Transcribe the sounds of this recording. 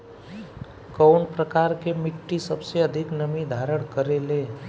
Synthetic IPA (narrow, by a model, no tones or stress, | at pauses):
kəwnpɾəkaɾkemiʈːisəbseəd̪ʱiknəmid̪ʱaɾəɳkəɾelẽ